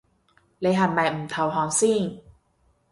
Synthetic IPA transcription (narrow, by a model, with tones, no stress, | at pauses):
le˧˦ɦa˨˩nma˨˩˨m̩˨˩t̪ʰa˨˧˩wɦɔː˧˦ŋsiː˥˩ŋ